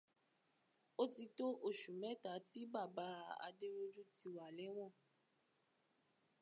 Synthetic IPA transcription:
o˦ti˧to˦ʔo˦˨ʃu˨mɛ̃˨˦ta˨˦ti˦ba˦˨ba˨˦a̰˧de˦ɾo˦d͡ʒu˦ti˧wa˨lɛ˨˦w̃ɔ̃˦˨

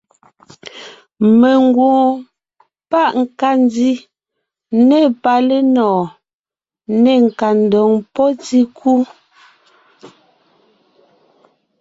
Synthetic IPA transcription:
me˨ŋɡwɔ̃ː˨ | pa˦˨ʔŋ̩˨ka˦˨n˦di˦ | ne˦˨pa˨le˦nɔː˨ | ne˦˨ŋ̩˨ka˨n̩˨dɔ˨ŋpɔ˦ti˦kʰu˦

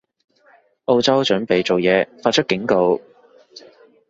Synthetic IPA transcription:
ʔo˧wt͡sɐ˥wt͡ʃɵ˨˥ŋpe˨jt͡so˨wjɛː˨˧faː˧t̚t͡ʃʰɵ˥t̚kɪ˨˥ŋko˧w

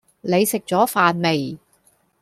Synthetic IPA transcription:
ne˨˧jsɪ˨k̚t͡sɔː˨˥faː˨nme˨˩j

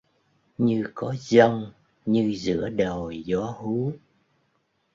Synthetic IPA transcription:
ɲɨ˧kɔ˨˦zə˧wŋ͡m | ɲɨ˧zɨ̰˧˥əɗo˨˩jzɔ˨˦hu˨˦

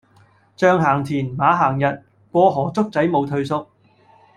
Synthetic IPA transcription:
t͡ʃœː˧ŋɦaː˨˩ŋt̪ʰiː˨˩nmaː˨˥ɦaː˨˩ŋjɐ˨t̚ | kʷɔː˧ɦɔː˨˩t͡sʊ˥k̚t͡sɐ˨˥jmo˨˧wt̪ʰɵ˧ɥsʊ˥˧k̚

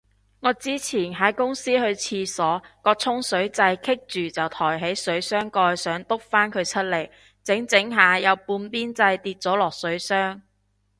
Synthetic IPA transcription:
ŋɔː˨˧t͡siː˥t͡sʰiː˨˩nɦaː˨˥jkʊ˥ŋsiː˥hɵ˧ɥt͡sʰiː˧sɔː˨˥kɔː˧t͡sʰʊ˥ŋsɵ˨˥ɥt͡sɐ˧jkʰɪ˥k̚t͡ʃyː˨˩t͡sɐ˨wt̪ʰɔː˨˩jɦe˨˥jsɵ˨˥ɥsœː˥ŋkɔː˧jsœː˨˥ŋt̪ʊ˥k̚faː˥nkʰɵ˨˧ɥt͡sʰɵ˥t̚le˨˩j | t͡sɪ˨˥ŋt͡sɪ˨˥ŋɦaː˨˧jɐ˨˧wpuː˧npiː˥nt͡sɐ˧jt̪iː˧t̚t͡sɔː˨˥lɔː˨k̚sɵ˨˥ɥsœː˥ŋ

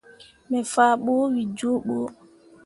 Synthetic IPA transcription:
mɛ˨faː˨ɓoː˦wi˨d͡ʒoː˦ɓoː˦

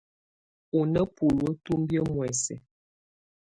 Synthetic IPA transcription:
u˨nə˦pu˨lwə˦tu˦mbjə˦mwɛ˨sɛ̰˨

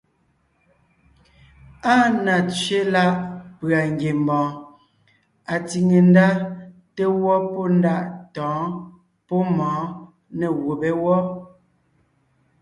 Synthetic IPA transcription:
a˦na˨t͡ʃɥe˦la˦ʔpɰa˨ŋ˨ɡje˨m˨bɔ̃ː˨ | a˨ti˨ŋe˨n˦da˦te˦wɔ˦pɔ˦n˦da˦ʔtɔ̃ː˨˦ | pɔ˦mɔ̃ː˨˦ | ne˨wo˨be˦wɔ˦

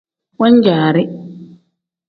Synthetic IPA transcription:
wa˦ɲd͡ʒaː˨ɾɪ˦

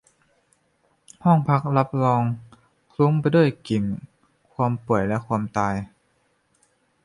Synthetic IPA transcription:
hɔ˥˩ŋpʰa˦˥k̚la˦˥p̚lɔː˧ŋ | kʰlu˧˦˥ŋpa˧jdu˥˩əjki˨˩n | kʰwaː˧mpu˨˩əjlɛ˦˥kʰwaː˧mt̪aː˧j

